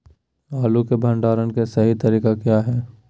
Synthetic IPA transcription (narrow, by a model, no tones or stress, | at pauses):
aːlukebʱə̃ɳɖaːɾənkesɐɦit̪ɐɾiːkakjaːɦɛː